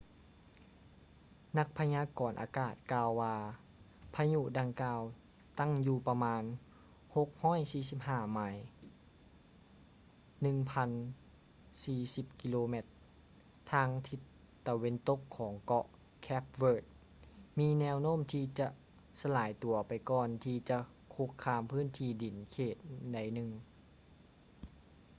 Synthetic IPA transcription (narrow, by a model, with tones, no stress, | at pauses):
na˧k̚pʰa˧ɲaː˧kɔː˨˩nʔa̰ː˨˧˦kaː˧˩t̪̚kaː˧wːaː˧ | pʰa˧ɲu˧˨ʔda˧ŋkaː˧w | t̪a˥˩˨ŋjuː˧pa˧maː˧n | ho˧˦k̚hɔː˥˩˨jsiː˧˩si˧˥p̚haː˧˩ma˧˩j | nɯ˧˨ŋpʰa˧n | siː˧si˧p̚ki˧loː˧me˧t̪̚ʰː | aː˧ŋt̪ʰi˧˥t̪ | t̪ːa˧we˧˥nt̪o˧kʰːɔː˩˦ŋkɔ˧ʔ | kʰɛ˦˥p̚wɤː˧˩t̪̚ | miː˧nɛː˧wnoː˥˨mt̪ʰiː˧t͡ɕa˧ʔ | sa˧laː˩˦jt̪u˨˩˦ɐpa˨jkɔː˧nt̪ʰiː˧t͡ɕa˧ | kʰo˧kʰːaː˧mpʰɯː˥˨nt̪ʰiː˧˩di˩˦nkʰeː˧˩t̪̚da˧˩jnɯ˧ŋ